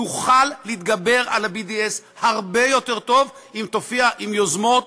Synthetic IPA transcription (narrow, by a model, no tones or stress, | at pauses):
uχalːit̪̚ɡabe̞ʁalabid̪ies | haʁbe̞jo̞t̪e̞ʁt̪o̞vimt̪ofiaʔimjozmo̞t̪